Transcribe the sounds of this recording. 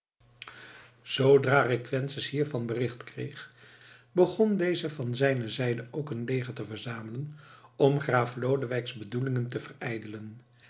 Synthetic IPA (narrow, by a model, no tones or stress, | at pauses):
z̥owdraːrɪkʋɛnsəsɦiːɹvɑnbərɪχtkrḛjχ | bəχɔndejzəvɑnzɛjnəzɛjdəʔowkənlejχətəvəɹzaːmələnɔmχraːflowdəʋɛjkzbədulɪŋəntəvərɛjdələn